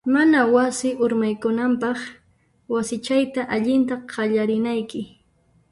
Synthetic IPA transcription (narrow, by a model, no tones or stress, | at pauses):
manawasɪʔʊɾmajkʊnampɑχ | wasɪt͡ʃajt̪aʔaʎɪnt̪aqɑʎaɾɪnajkɪ